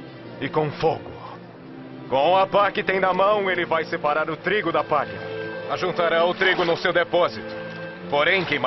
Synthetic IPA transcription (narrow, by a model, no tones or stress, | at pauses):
ɪkõfoɡʊ | kõw̃ɐpakɪt̪ẽj̃d̪ɐmɐ̃w̃elɪvajsepaɾaɾʊt̪ɾiɡʊd̪ɐpaʎɐaʒũnt̪aɾaʊt̪ɾiɡʊnʊsewd̪epɔzit̪ʊ̥ | poɾẽj̃kẽm